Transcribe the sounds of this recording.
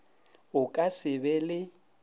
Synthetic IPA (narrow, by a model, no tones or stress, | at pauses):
ʊkʼasɪbɛlɪ